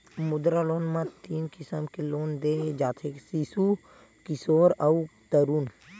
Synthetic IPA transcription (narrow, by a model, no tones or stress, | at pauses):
mʊd̪ɾaloːnmãt̪iːnkɪsəmkeloːnd̪eːd͡ʒaːt̪ʰeksisu | kɪsoːɾawt̪əɾuːn